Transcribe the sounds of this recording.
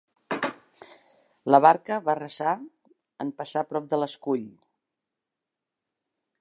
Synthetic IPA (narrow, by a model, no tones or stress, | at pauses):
ləβ̞aɾkəβarəza | ə̰mpəsapɾɔp̚d̪ələskuʎ